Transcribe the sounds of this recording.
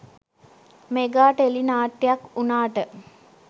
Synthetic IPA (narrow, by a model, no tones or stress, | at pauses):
meɡaːʈəelinaːʈːejakunaːʈə